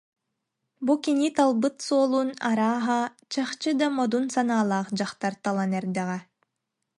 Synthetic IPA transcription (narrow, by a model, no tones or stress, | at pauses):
bukinit̪alˠbɯt̪suɔlˠuːnaɾaːɦa | t͡ɕaχt͡ɕɯd̪amɔd̪unsanaːlˠaːχd͡ʑaχt̪aɾt̪alˠanɛɾd̪ɛʁɛ